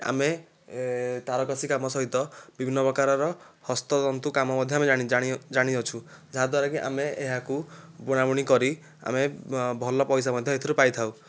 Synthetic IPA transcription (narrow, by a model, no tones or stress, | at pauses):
a̰me | t̪aɾɔkɔsʰikamɔsɔɦit̪ɔbibʱinːɔpɾɔkaɾɔɾɔhɔst̪ɔɔnt̪ukamɔmɔd̪ʱjɔamed͡ʒaɽ̃iaɽ̃id͡ʒaɽ̃id͡ʒat͡ʃʰud͡ʒaɦad̪waɾɔkiʔa̰meeɦakubuɽ̃abɔɽ̃ikɔɾi | a̰mebʱɔlɔpɔjs̬amɔd̪ʱjɔet̪ʰiɾupajt̪ʰaw